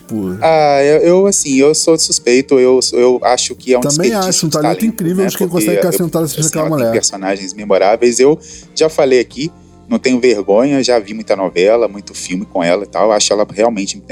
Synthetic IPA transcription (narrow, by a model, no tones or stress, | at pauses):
puaewewasĩewsod͡ʒɪsuspejt̪ʊewsewaʃʊkɪɛũt̪ɐ̃sbẽẽaʃʊũt̪al̃alẽĩkɾivewakẽkõsɛɡkaẽt̪ad̪ɐs̬ĩ̥d̪ɐɐkɛlɐmulɛpeɾsõnaʒẽj̃zmemoɾavejzewʒafalejaki | nɐ̃w̃t̪ẽɲʊveɾɡõɲɐʒavimũj̃t̪ɐnɔvɛlɐmũj̃t̪ʊfiwmɪkõɛ̰lɐit̪a̰waʃʊkɛlɐheawmẽt͡ʃɪ̃